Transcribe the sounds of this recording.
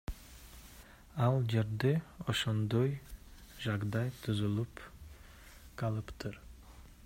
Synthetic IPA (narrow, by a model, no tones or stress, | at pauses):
ɑlˠd͡ʒeɾd̪ɪoʃond̪ojʒɑɡd̪ɑjt̪ʰuzulˠup | qʰɑlˠɯpt̪ʰɨɾ